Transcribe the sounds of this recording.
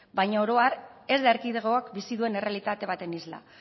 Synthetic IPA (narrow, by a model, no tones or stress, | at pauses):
bajɲaoɾo̞aɾe̞zd̪aeɾkiðeɣ̞o̞akbisiðue̞ne̞re̞alit̪at̪e̞β̞at̪e̞nizla̰